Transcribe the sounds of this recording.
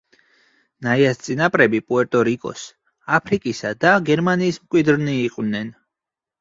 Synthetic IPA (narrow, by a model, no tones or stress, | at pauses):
naiast̪sʼinapʼɾɛbipʼuɛɾt̪ʼɔɾikʼɔ̰s | apʰɾikʼisad̪aɡɛɾmaniːsmkʼwid̪ɾniːqʼw̪nɛn